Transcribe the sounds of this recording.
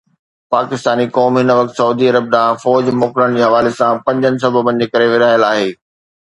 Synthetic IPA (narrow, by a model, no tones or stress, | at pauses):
paːkɪst̪aːnikɔːmɦɪnəʋɐk̚t̪sɐuːd̪iɐɾəb̚ɗãfɔːd͡ʑmɔːkɪɽəɽ̃d͡ʑeːɦɐʋaːlesãpɐ̃ɲd͡ʑənɪ̆s̬ɐbʱəbə̃nɪ̆d͡ʑeːkɐɾeʋɪɾaːjəlaːɦeː